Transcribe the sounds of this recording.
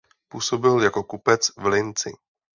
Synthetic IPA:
puːso̞bɪljako̞kupɛt͡svlɪnt͡sɪ̰

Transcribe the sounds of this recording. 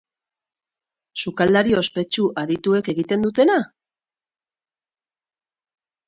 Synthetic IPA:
sukald̪aɾioospe̞t͡ʃuʔaðit̪ue̞ke̞ɣit̪e̞nd̪ut̪e̞na

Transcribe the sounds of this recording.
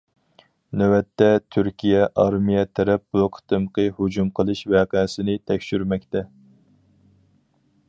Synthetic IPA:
næwɛt̪ʰːɛt̪ʰyɾkʲʰijɛʔɑɾmijɛt̪ʰæɾɛp̚buqʰə̥t̪ɨmqʰɨhud͡ʒumqʰəlˠɨʃvɛːqːsɪnɪt̪ʰɛkʲʃyɾmɛkʲt̪ʰɛ

